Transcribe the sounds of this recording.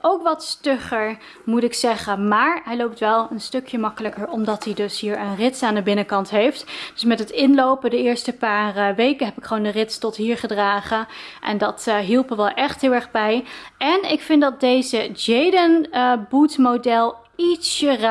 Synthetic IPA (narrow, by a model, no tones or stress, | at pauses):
ʔowkʋɑtstøχəɹ | mutɪksɛχəmaːɹɦɛjlowp̚tʋɛlˠənstøkjəmɑkələkəɹɔmdɑtidɵsɦiːɹənrɪtsaːndəbɪnəkɑntɦejftd̥ɵsmɛtɦətɪnlowpədəɪːɹstəpaːrʋejkənɦɛpɪkχəʋowndərɪtstɔtɦiːɹχədraːχəʔɛ̰ndɑtɦilˠpəʋɛlˠʔɛχtɦɪːlˠɛɹχbɛjʔɛnɪkfɪndɑt̚dejzəd͡ʒejdənbutmodɛlˠ | itsər